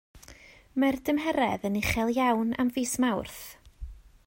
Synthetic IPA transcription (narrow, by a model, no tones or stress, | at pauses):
mɛrdəmɦɛɾɛðənɪχɛlˠjawna̰mviːsmawrθ